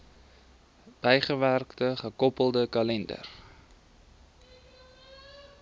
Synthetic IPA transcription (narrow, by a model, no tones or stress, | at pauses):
b̥ɛjχəværktəχəkɔpəlˠdəkɐlɛndə̰r